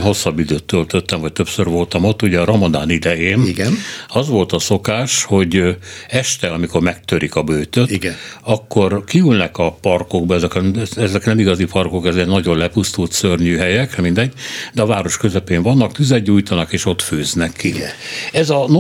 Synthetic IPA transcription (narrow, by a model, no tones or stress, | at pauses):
nɦo̞sːɒbːid̪øːt̪ːølt̪øt̪ːɛɱvɒc̚t̪øpsørvo̞lt̪ɒmo̞t̪ːuɟɛɒɾomɒd̪a̰ːnid̪ɛjeːnɡnɒzʋo̞lt̪ɒso̞kaːʃho̞ɟɛʃt̪ɛɒmiko̞rmɛk̚t̪øɾikɒbøjt̪øtiɡɒkːo̞rkiylnɛkɒpɒrko̞ɡ̚bɒɛzɛkɛzɛknɛmiɡɒzipɒrko̞kɛzeːnɒɟo̞nlɛpust̪ult̪sørɲyːɦɛjɛkmind̪ɛɟːd̪ɛɒvaːɾo̞ʃkøzɛpeːɱvɒnːɒkt̪yzɛɟːuːjt̪ɒnɒkeːʃo̞t̪føːznɛkːiɛzɒno